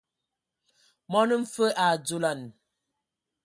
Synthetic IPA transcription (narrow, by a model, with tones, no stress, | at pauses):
mɔ˦nə˦m̩˦fə˦ʔa˨d͡zo˦˨la˦˨n